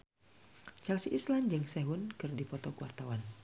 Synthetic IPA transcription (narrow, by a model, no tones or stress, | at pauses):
t͡ʃalsiʔisland͡ʒɨŋsɛɦunkɨrdipɔt̪ɔkuwa̰rt̪awan